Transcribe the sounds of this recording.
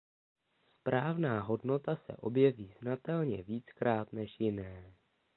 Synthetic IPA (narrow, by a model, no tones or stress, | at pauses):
spɾaːvnaːɦo̞dno̞t̪asɛ̰ʔo̞bjɛviːznat̪ɛlɲɛviːt͡skɾaːt̪nɛʃjɪnɛː